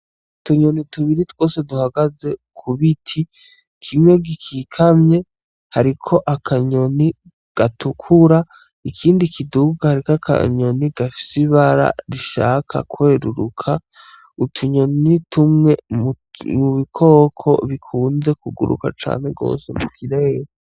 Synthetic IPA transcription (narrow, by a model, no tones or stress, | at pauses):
utuɲonituβiɾitw̥o̞ːse̞duhaɡaze̞kʰuβitʰi | kʰimwe̞ɡikʰikʰamɲe̞ | haɾikʰo̞ʔakʰaɲo̞ni | ɡ̥atukʰuɾa | ikʰiːndikʰiduɡahaɾikakʰa̰ɲo̞niɡ̥afi̥siβaɾa̰ɾiʃa̰ːkʰa̰kwe̞ːɾuɾukʰa | utʰuɲo̞nitʰumŋe̞ | muβikʰo̞ːkʰo̞̰βikʰuːnze̞kuɡṵɾṵka̰t͡ʃa̰ːne̞ɡo̞̰ːse̞mukʰiɾej